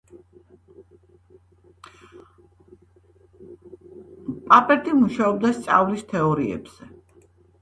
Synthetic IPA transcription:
pʼapʼɛɾt̪ʼimuʃaɔbd̪ast̪sʼa̰vlist̪ʰɛɔɾiɛ̰bz̥ɛ

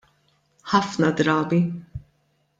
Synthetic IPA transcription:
ħɐfnɐd̪ɾɐːbi

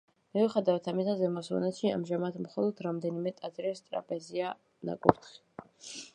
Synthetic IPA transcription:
mɛvuχɛd̪avat̪ʰamisazɛmɔsɔ̰nɛʃia̰mʒamat̪ʰmχɔlˠɔd̪ʰɾamd̪ɛnimɛt̪ʼat̪ʼɾɛst̪ʼɾa̰pʼɛzia | na̰kʼuɾt̪ʰχi̥

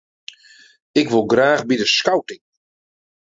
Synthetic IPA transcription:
ɪkʋolˠɡraːxbidəskawtɪŋ

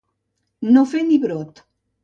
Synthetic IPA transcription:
nofeniβɾot̪

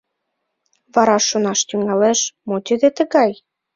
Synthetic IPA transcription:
βɑɾɑʃːonɑʃt̪yŋɑleʃmot̪ød̪et̪ə̆ɣɑj

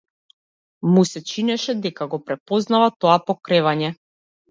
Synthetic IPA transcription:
musɛt͡ʃinɛʃɛd̪ɛkaɡɔpɾɛpɔznavat̪ɔapɔkɾɛvaɲɛ

